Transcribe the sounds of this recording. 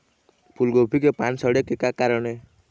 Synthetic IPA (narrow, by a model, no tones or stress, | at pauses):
pʰulɡopʰik̬epansəɽekekakaɾəɽ̃e